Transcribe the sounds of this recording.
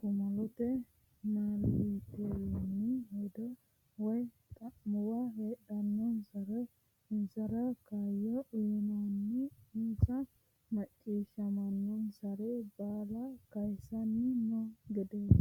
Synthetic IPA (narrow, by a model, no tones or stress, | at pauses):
kʊmɐlɔt̪ɛ | naːlit̪ɛlɔnɪhed̪ɔ | wɔj | t̪ʼɐʊwɐheːɗɐnːɔnsɐɾɛ | ɪnsɐɾɐkajɔʔʊjɪnɐnːɛɪnt͡sːɐ | mɐt͡ʃʼːiːʃɐmɐnːɔnsɐɾɛbaːlɐkɐjsɐnimɔɡɛd̪es